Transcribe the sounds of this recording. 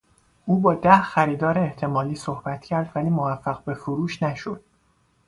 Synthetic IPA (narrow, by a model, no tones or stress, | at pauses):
ʔuːbɒːd̪æhxæɾiːd̪ɒːɾeːht̪ʰe̞mɒːliːsohbæt̪ʰcʰæɾd̪væliːmovæfːæɣbe̞foɾuːʃnæʃod̪̥